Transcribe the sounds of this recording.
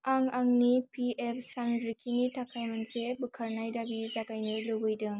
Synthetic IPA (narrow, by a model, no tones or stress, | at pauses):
aŋaŋnipʰiep̚ʰsanɾikʰinitʰakʰajmansebɯkʰaɾnajdabizaɡajnɯlɯbɯjdɯŋ